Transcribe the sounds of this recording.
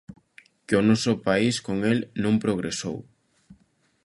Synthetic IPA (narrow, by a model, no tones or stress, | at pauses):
kɪonɔsʊpaiskoŋelnõmpɾoɣ̞ɾeso̰w